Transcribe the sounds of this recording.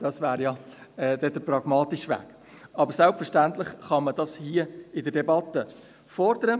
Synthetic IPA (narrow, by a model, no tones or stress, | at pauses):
d̥ɑsvæːɾjɑɛd̥ɛd̥əprɑɡmɑːt̪iʃʋæ̰ːk | ɑbəɾsɛlpfəɾʃtænt̪lɪχχɑməd̥ɑshiːəɪdəɾdɛbɑt̪ːə | fɔɾd̥̪əɾə